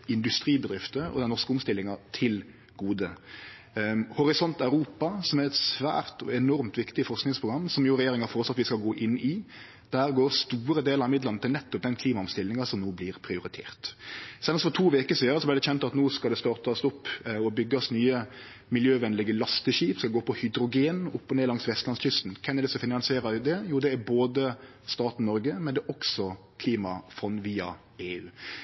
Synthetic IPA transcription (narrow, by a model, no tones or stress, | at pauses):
ɪnd̪ʉst̪ɾiːbəd̪ɾɪft̪əɔ̰d̪ɛnːɔskəʊmst̪ɪlːɪŋɑt̪ʰɪl | ɡ̥uːd̪ə | hʊɾɪsɔnt̪ɑʉɾuːpɑsɔmæɾɛt̪sʋæ̰ːɾt̪ɔɛnɔɾmt̪ʋɪkt̪ɪfɔʁsknɪŋspʰʁʊɡɾɑmːsɔmjʊːɾɛjeːɾɪŋɑfɔʁɔsɑt̪ʋɪskɑlɡoːʔɪnːɪ | d̪̥æːɾɡoːɾst̪uːɾəd̪eːləɾɑmɪd̪lənət̪ɪlnɛt̪ːʊp̚d̪ɛnkʰliːmɑʊmst̪ɪlːɪŋɑsɔmnoːblɪɾpʰɾɪʊɾɪt̪ʰḛːʁt̪sɛləsfɔt̪ʰuːʋeːkəsiːd̪əɾəsɔblæɪɾd̪ɛçɛnt̪ɑt̪nuːskɑlɛst̪ɑːɾt̪ɑsʊpːɔbʏɡːɑsnyːə | mɪljøːʋɛnlɪɡəlɑst̪əʃiːpskɑɡoːpʰɔhʏd̪ɾʊɡeːnʊpːɔneːlɑŋsʋɛst̪lɑnsçʏst̪n̩kʰɛnɛd̪ɛsɔfɪnɑnsɪeːɾəd̪ɛjuːd̪ɛæɾboːd̪ə | st̪ɑːt̪n̩nɔɾɡəmɛnd̪ɛʔɔksɔ | kʰliːmɑfɔnʋiːɑ | eːʉː